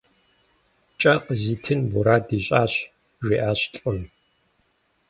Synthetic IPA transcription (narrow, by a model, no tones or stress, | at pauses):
t͡ʃʼɐqəziːtʰɨnbuɾaːdiːɕʼaːɕ | ʒʷiːʔaːɕɬʼʊm